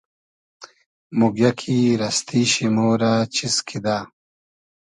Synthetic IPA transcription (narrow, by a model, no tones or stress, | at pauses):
muɡjakʰiɾɐst̪ʰiɕimoːɾaːt͡ɕiskʰid̪aː